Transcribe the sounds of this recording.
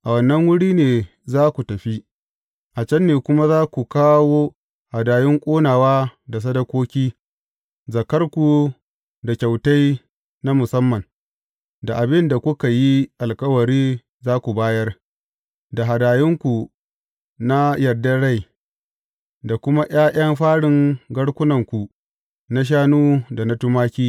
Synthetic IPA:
ʔa˨wɐ˨nːɐ˦ŋwʊ˦ɽiː˦neː˨ | zaː˦kʷu˨tɐ˨ɸi˦ | ʔa˨t͡ʃɐ˦nːeː˨kʷʊ˦ma˦zaː˦kʷu˨kaː˦woː˦ | ha˨daː˨jɪ˦ŋkʷʼoː˦naː˨waː˦da˨s̬ɐ˦dɐ˦kʷoː˦kʲiː˦ | zɐ˨kɐ˦rkʷu˨ | da˨kʲa˨wta˦j | na˦mʊ˨sɐ˦mːɐ˨n | da˨ʔa˨bɪ˦nda˨kʷʊ˦ka˨ji˦ʔa˨lkɐ˦wɐ˨ɾiː˦ | zaː˦kʷu˨baː˦jɐ˦r | da˨ɦa˨daː˨jɪ˦ŋkʷu˨ | na˦jɐ˨rdɐ˦ɽa˦j | da˨kʷʊ˦ma˦ʔj̰aː˦ʔɐ˦mɸaː˦ɽɪ˨ŋɡɐ˦ɽkʷʊ˦nɐ˨ŋkʷu˨ | na˦ʃ̬aː˦nuː˦da˨na˦tʊ˦maː˦kʲiː˦

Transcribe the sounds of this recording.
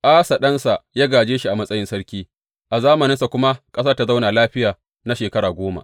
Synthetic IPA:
ʔaː˦sa˨ɗɐ˦nsa˨jaː˦ɡaː˨d͡ʒeː˦ʃi˦ʔa˨mɐ˦sʼɐ˦jɪ˦nsɐ˦ɽkʲiː˦ | ʔa˨zaː˦mɐ˨nɪ˦nsa˨kʷʊ˦ma˦kʼɐ˦s̬ɐ˦rta˨za˦wnaː˨laː˦ɸɪ˦jaː˨ | na˦ʃeː˨kɐ˦ɽaː˨ɡʷoː˦ma̰˨ʔ

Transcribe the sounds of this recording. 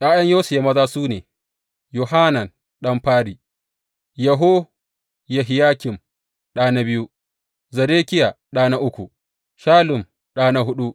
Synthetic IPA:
ʔaː˦jɐ˦ɲjoː˦su˨ja˦mɐ˦zaː˦suː˦neː˨ | ju˨ɦa˦nɐ˨n | ɗɐ˦mɸaː˦ɾiː˨ | jɐ˨ɦoː˦ | ja˨ɦɪ˨jaː˦kʲɪ˨m | ɗaː˦na˦bɪ˦ju˦ | zɐ˨deː˦kʲɪ˦ja˨ | ɗaː˦na˦ʔʊ˦kʷu˨ | ʃaː˦lʊ˨m | ɗaː˦na˦ɦʊ˦ɗu˦

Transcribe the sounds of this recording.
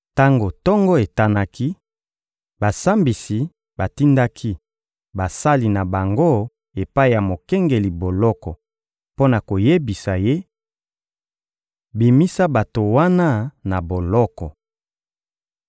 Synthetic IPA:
ta˦ŋɡo˨tɔ˦ŋɡɔ˦e˨ta˦na˦ki˦ | ba˨sa˦mbi˨si˨ | ba˨ti˦nda˦kʰi˦ | ba˨sa˦li˨na˨ba˨ŋɡo˦ | e˨pa˦i˨ja˨mo˨kɛ˦ŋɡe˨li˨bo˨lɔ˦kɔ˨ | po˦na˨ko˨je˦bi˨sa˨je˦ | bi˨mi˦sa˦ba˨to˨wa˦na˦na˨bo˨lɔ˦kɔ˨

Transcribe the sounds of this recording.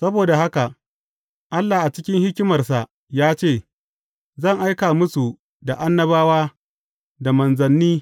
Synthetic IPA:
sɐ˦boː˨da˨ha˦ka˨ | ʔa˦lːa˨ʔa˨t͡ʃɪ˦kʲɪ˦ŋhɪ˦kʲɪ˦mɐ˨rsa˨ʔ | jaː˦t͡ʃeː˦˨ | zɐ˦˨ŋʔa˦jkaː˨mʊ˦su˨ | da˨ʔa˦nːɐ˦baː˦waː˦ | da˨mɐ˨nzɐ˨nːiː˦

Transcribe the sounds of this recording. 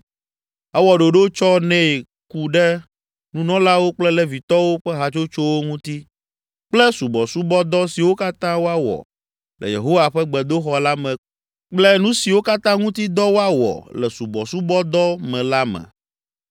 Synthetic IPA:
ɛ˦wɔ˨ɖo˨ɖo˦t͡ʃɔ˦nɛ̃˦˨ | ku˦ɖɛ˦ | nũ˦nɔ̃˦la˦wo˦k͡plɛ˦lɛ˦vi˨t̪ɔ˦wo˦ɸɛ˦ɦa˨t͡ʃo˦t͡ʃo˦wo˦ŋũ˦t̪i˦ | k͡plɛ˦su˨bɔ˨su˦bɔ˦d̪ɔ˦si˨wo˦ka˦t̪ã˦wo˦a˦wɔ̰˨ | lɛ̰˨jḛ˨ɦo˦wa˨ɸɛ˦ɡ͡bɛ˨d̪o˦xɔ˨la˦mɛ̃˨ | k͡plɛ˦nũ˦si˨wo˦ka˦t̪ã˦ŋũ˦t̪i˦d̪ɔ˦wo˦a˦wɔ̰˨lɛ̰˨su˨bɔ˨su˦bɔ˦d̪ɔ˦mɛ̃˨la˦mɛ̰̃˨

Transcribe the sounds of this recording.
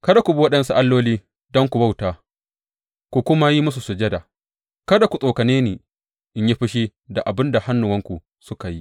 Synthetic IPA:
kɐ˦da˨kʷu˨bu˦wɐ˦ɗɐ˦nsu˦ʔa˦lːoː˦liː˦ | dɔ˦ŋkʷu˨ba˦˨wtaː˨ | kʷu˨kʷʊ˦ma˦ji˦mʊ˦s̬u˨su˨d͡ʒɐ˦da˨ | kɐ˦da˨kʷu˨sʼoː˨kɐ˨neː˦neː˨ | ʔɪ˦ɲji˦ɸɪ˦ʃi˦da̰˨ʔa˨bɪ˦nda˨ha˦nːʊ˨wɐ˦ŋkʷu˨ | sʊ˦ka˨ji˦

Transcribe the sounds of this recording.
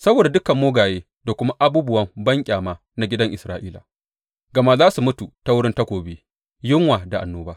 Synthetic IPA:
sɐ˦boː˨da˨dʊ˦kɐ˨mːoː˦ɡaː˨jeː˦ | da˨kʷʊ˦ma˦ʔa˦buː˦bʊ˦wɐ˦mbɐ˦ŋkʲʼaː˨maː˦ | na˨ɡʲɪ˦dɐ˦ŋʔɪ˨sɾaː˦ʔiː˦la̰˨ | ɡɐ˨ma˦zaː˦su˨mʊ˦tu˨ta˦wʊ˦ɽɪ˦nta˦kʷoː˨beː˦ | jɪ˦ŋwaː˨da˨ʔa̰˨nːoː˦baː˦

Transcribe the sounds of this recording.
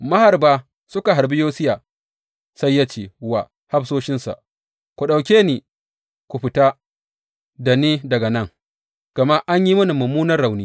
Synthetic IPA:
mɐ˦ha˨rbaː˦ | sʊ˦ka˨ɦa˨ɾbi˦joː˦sɪ˦jaː˨ | sa˦jːa˦t͡ʃeː˨wa˨ | ha˦bsoː˦ʃɪ˦nsa̰˨ʔ | kʷu˨ɗa˨wkʲeː˦ni˨ | kʷu˨ɸɪ˨taː˦ | da˨niː˦dɐ˨ɡɐ˨nɐ˦ŋ | ɡ̥ɐ˨ma˦ʔa˦ɲji˦mʊ˦ni˨mɐ˨muː˦nɐ˦rːa˨wniː˦

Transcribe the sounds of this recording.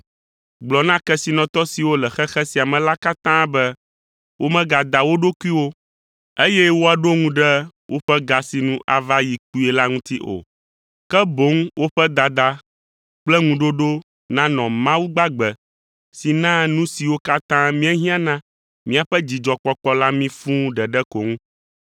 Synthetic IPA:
ɡ͡blɔ˨nã˦kɛ˦si˨nɔ̃˨t̪ɔ˦si˨wo˦lɛ˨xɛ˦xɛ˦si˨a˨mɛ̃˨la˦ka˦t̪ã˦bɛ˦ | wʔo˦mɛ̃˦ɡa˨d̪a˨wo˦ɖo˦ku˦i˦wo˦ | e˦jɛ˦wo˦a˨ɖo˦ŋũ˦ɖɛ˦ | wʔo˦ɸɛ˦ɡa˨si˨nũ˦ʔa̰˨va˦ji˨k̚u˦ɛ˨la˦ŋũ˦t̪i˦ʔo̰˨ | kɛ˦bo˨˦ŋwʔo˦ɸɛ˦d̪a˨d̪a˨ | k͡plɛ˦ŋũ˨ɖo˦ɖo˦ | nã˦nɔ̃˨mã˦wu˦ɡ͡ba˦ɡ͡bɛ˨ | si˨nã˦nũ˦si˨wo˦ka˦t̪ã˦mĩ˦ɛ˦ɦĩ˦ã˦nã˦ | mĩ˦a˨ɸɛ˦d͡ʑi˨d͡ʒɔ˨k͡pɔ˦k͡pɔ˦la˦mĩ˦fũ˦ɖɛ˨ɖɛ˦ko˨ŋũ˦

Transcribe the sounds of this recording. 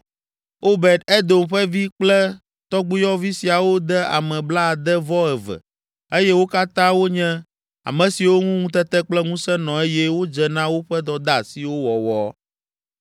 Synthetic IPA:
o˦bɛ˨d̪ɛ˦d̪o˨mɸɛ˦vi˦k͡plɛ˦ | t̪ɔ˦ɡ͡bu˦jɔ˦vi˦si˨a˨wo˦d̪ɛ˦a̰˨mɛ̃˨bla˦˨d̪ɛ˦vɔ˦ɛ˨vɛ̰˨ | e˦jɛ˦wo˦ka˦t̪ã˦wo˦ɲɛ̃˦ | a̰˨mɛ̃˨si˨wo˦ŋũ˦ŋũ˦t̪ɛ˦t̪ɛ˦k͡plɛ˦ŋũ˦sɛ˦nɔ̃˨e˦jɛ˦wo˦d͡ʒɛ˨nã˦wo˦ɸɛ˦d̪ɔ˨d̪a˦˨si˨wo˦wɔ˨wɔ˦

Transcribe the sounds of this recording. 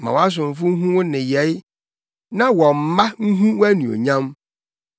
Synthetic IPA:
mã̰˨wa˦s̬ʊ̃˨m̩˨fʊ˦ŋ̩˦ɦũ˦wʊ̃˦nɪ̃˨jɛ˨˦j | nã˦wɔ̃˨m̩˨ma˦ŋ̩˦ɦũ˦wæ˦nũ˨o̰˨ɲã˦m

